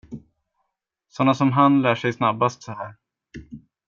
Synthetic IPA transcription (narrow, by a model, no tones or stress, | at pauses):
sɔnːasɔmɦanlæːʂɛjsnabːast̪sɔhæːɾ